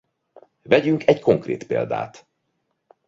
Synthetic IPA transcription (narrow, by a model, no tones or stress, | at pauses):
vɛɟyŋkʰɛcko̞ŋkrḛːt̪pḛːld̪a̰ːt̪